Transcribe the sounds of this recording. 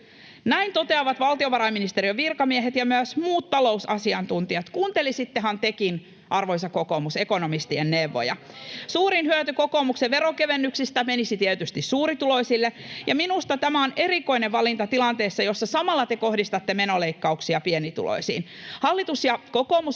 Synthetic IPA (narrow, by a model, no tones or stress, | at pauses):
næint̪ot̪eɑʋɑt̪ʋɑlt̪ioʋɑɾɑiminist̪eɾiøʋirkɑmieɦet̪jɑmyæsmuːt̪t̪ɑlo̞usɑsiɑnt̪unt̪iɑt̪kuːnt̪elisit̪ːeɦɑnt̪ekin | ʔɑrʋoisɑkoko̞musekonomist̪ienːeʋːo̰jɑ̰ | suːɾinhyøt̪yko̞ko̞ːmukseʋe̞ɾokeʋenːyksist̪æmenisit̪iɛt̪yst̪issuːɾit̪ulo̞isilːejɑminust̪ɑt̪æmæo̞ne̞ɾiko̞ineʋʋɑlint̪ɑt̪ilɑnt̪eːsːɑjosːɑsɑmɑlːɑt̪eko̞hdist̪ɑt̪ːemenoleikːɑuksiɑpienit̪ṵlʔo̰isḭːn | hɑlːit̪usjɑko̞koːmus